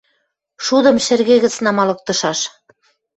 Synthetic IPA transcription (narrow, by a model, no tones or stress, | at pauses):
ʃud̪ɤ̆mʃɘ̆rɣeɣə̆t͡snɑmɑlɤ̆k̚t̪ɤ̆ʃɑʃ